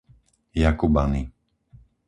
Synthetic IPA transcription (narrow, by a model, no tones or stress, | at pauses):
jakubani